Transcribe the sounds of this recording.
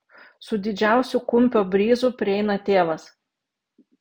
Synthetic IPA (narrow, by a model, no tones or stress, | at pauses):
sʊd̪ʲɪd͡ʒʲæˑʊsʲukʊmʲpʲoːbʲɾʲiːzʊpʲɾʲɪɛɪnɐt̪ʲeːʋɐs